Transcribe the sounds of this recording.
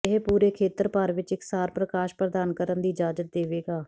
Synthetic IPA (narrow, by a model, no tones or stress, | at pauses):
ɪɦpuːɾeːkʰeːt̪əɾpəɾʋɪt͡ʃɪksaːɾpɾəkaːʃpɾəd̪aːnkəɾənd̪iːd͡ʒaːd͡ʒət̪̚d̪eːʋeːɡaː